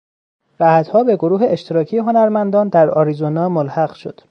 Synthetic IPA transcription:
ɾæhæt̪hɒːbe̞ɡo̞ɾuːɦeeʃt̪ʰeɾɒːcʰijeɦo̞næɾmænd̪ɒːnd̪æɾɒɾizonɒːmolhæɢʃo̞d̪̥

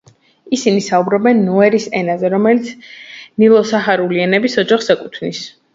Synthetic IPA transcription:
isinisaubɾɔbɛnːɔɛɾisɛnazɛɾɔmɛlit̪sʰnilˠɔsaχaɾuliɛnɛbisɔd͡ʒaχsakʼut̪ʰnis

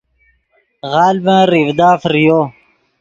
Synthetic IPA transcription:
ɣaːlbãːɾivd̪aːfɾijoː

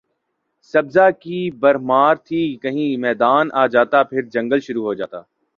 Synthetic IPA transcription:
sɐbzakibɐɾmaːɾt̪ʰikɐɦĩmɛːd̪aːnaːd͡ʒaːt̪apʰɪɾd͡ʒɐ̃ŋɡəlʃʊɾuɦod͡ʒa̰ːt̪a̰ː

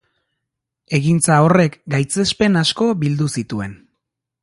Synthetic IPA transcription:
e̞ɣint͡sao̞re̞kɡajt͡se̞spe̞nasko̞βild̪usit̪ue̞̰n

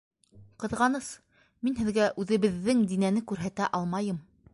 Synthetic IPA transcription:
qɤ̆ðʁɑnɤs | minɦɘ̆ðɡæʔʉðɘ̆βɘ̆ðːɘŋd̪inænɘkʉɾɦæt̪æʔɑlˠmɑjɤm

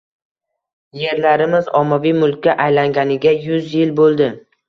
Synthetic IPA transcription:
je̞ɾlaɾɪmɪzɒmːavijmʊlˠkʲʰːaʔajlaŋɡʲanɪɡʲajʊzjɪlbolˠd̪ɪ

